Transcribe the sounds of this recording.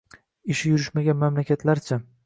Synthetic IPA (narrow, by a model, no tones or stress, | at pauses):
ɪʃɪjʊɾɪʃmaɡʲanmamlakʲʰat̪ʰlaɾt͡ʃʰa